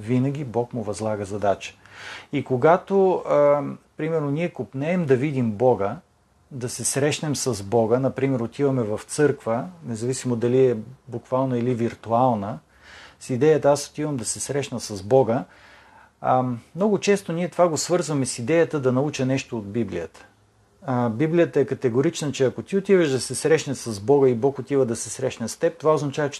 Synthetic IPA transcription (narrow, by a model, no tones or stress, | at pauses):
vinəɡʲibɔkmʊvɐzlˠaɡəzɐd̪at͡ʃə̥ | ikoɡat̪o | pɾimɛɾnoniɛkopnɛːmd̪ɐvid̪imbɔɡə | d̪ɐsɛsɾɛʃnɛmsɐzbɔɡənɐpɾimɛɾot̪ivɐmɛvɐft̪sɤɾkvənɛzɐvisimod̪ɐliɛbukvalˠnəiliviɾt̪ualˠnə | sid̪ɛjət̪əaso̥t̪ivəmd̪ɐsɛsɾɛʃnəsɐzbɔɡə | mnɔɡʊt͡ʃɛst̪oniɛt̪ovaɡosvɤɾzvəmɛsid̪ɛjət̪əd̪ɐnɐut͡ʃənɛʃt̪oːd̪̚biblḭjət̪ə̥ | biblijət̪əɛkɐt̪ɛɡoɾit͡ʃnət͡ʃɛɐkot̪iot̪ivəʒd̪ɐsɛsɾɛʃnəsɐzbɔɡəibɔkot̪ivəd̪ɐsɛsɾɛʃnɛst̪ɛp̚t̪ovaoznɐt͡ʃavət͡ʃ